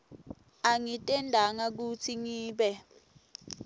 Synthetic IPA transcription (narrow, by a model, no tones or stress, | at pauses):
aŋitʼɛndʱaŋak̬ut͡sʰiŋiːɓɛ